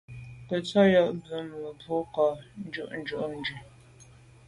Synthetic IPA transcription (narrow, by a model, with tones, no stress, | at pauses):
kə˨t͡sa˦ja˦˨ʔbə˦m˨ə˨bwɔ˦ka˨n̩˦d͡ʒu˦ʔn̩˦d͡ʒu˦ʔn̩˦d͡ʒʉ˨